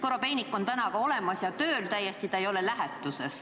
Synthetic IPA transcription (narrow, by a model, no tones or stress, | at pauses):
koɾo̞pe̞nikːˑo̞nt̪ænɑkɑo̞le̞mɑsjɑt̪ø̞ːlt̪æjːe̞st̪it̪ɑejo̞le̞læɦet̪ːˑuse̞s